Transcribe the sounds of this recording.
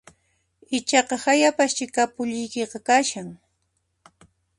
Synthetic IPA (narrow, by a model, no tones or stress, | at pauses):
ɪt͡ʃɑqɑhajapast͡ʃɪkapʊʎɪjkeqɑkaʃaŋ